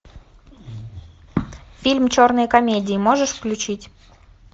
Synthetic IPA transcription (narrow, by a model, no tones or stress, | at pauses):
fʲilʲmt͡ɕornəjkomʲedʲiːmoʒəʃfklʲut͡ɕitʲ